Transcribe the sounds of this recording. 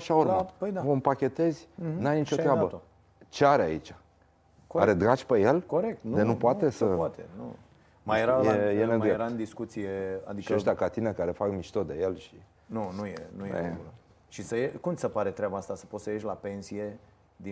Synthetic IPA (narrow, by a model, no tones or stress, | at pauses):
aʃaoɾapəjd̪aompakʲe̞t̪e̞zʲnajnit͡ʃoɾeabət̪ | t͡ʃeaɾeait͡ʃḁ | oaɾed̪ɾat͡ʃʲpejelkoɾek̚t̪nd̪enupoat̪e̞səat̪ḛnṵ | majeɾajejeneɡmeɾaɨnd̪iskut̪sijea̰d̪iʃiaʃt̪ʲakat̪inekaɾe̞fakmiʃt̪o̞d̪e̞jelʃi | nunujḛnujḛeul | ʃisəjekumt̪səpaɾe̞t̪ɾeabaast̪asə̥pot̪səjeʃʲlape̞nsije̞ | d̪i